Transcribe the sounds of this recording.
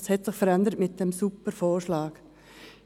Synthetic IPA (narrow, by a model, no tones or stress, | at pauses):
shɛtsɪχfəɾɛndəɾtmɪt̚d̥ɛmsupəfoːɾʃlɑːɡ